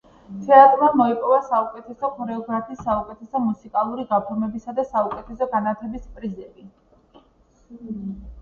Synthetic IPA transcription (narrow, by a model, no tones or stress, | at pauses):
t̪ʰɛat̪ʼɾmamɔipʼɔvasaukʼɛt̪ʰɛsɔχɔɾɛɔɡɾapʰiːsːaukʼɛt̪ʰɛsɔmusikʼalˠuɾiɡapʰɔɾmɛbisad̪asaukʼɛt̪ʰɛsɔɡanat̪ʰɛbispʼɾizɛbi